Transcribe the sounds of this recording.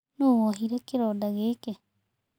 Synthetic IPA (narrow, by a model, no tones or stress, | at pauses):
nowoɦiɾakeɾodaɣeke